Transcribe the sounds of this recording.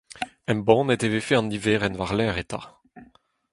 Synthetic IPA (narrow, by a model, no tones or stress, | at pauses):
ɛ̃mbɔ̃ːnɛtevefeɑ̃niveːʁɛnvaʁlɛːʁet̪a̰